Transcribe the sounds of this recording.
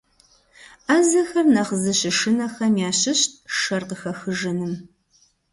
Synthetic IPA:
ɐzɐxɐrnɐχəzɨɕɪʂɨnɐxɐmjaːɕɪɕt̚ʰʼʃɐrqəxɐxɨʒɨnɨm

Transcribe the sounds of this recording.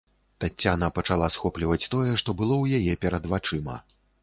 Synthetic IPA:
t̪at͡sʲːanɐpɐt͡ʂalˠasxɔplʲivɐt͡sʲt̪ɔjɛʂt̪ɔbɨlˠɔwjajɛpʲɛɾɐd̪vat͡ʂɨmɐ̰

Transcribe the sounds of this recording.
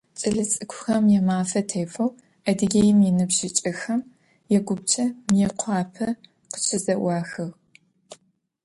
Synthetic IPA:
t͡sʼɨɮɨt͡sʼɨkʷʰʊxɐmjɛmaːfɐtʰeːfɐw | ɐdɨɡʲejɪmjɛnɨbʒɪt͡ʃʼɐxɐm | jɛɡʷʊb̚t͡ʃʼɐmjɛqʷʰɑːpʰɐ | qə̥ɕʰɪzɐʔʷɑːxɨʁ

